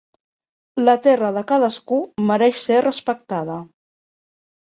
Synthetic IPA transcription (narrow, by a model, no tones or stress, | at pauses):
lət̪ɛrəðəkaðəskuməɾɛʃserəspək̚t̪aðə